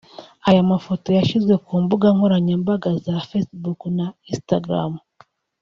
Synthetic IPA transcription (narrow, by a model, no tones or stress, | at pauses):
ajamafo̞to̞jaʃizɡwe̞kuːmbuɡaŋhoɾaɲambaɡazafesbuknaistaɡɾa̰m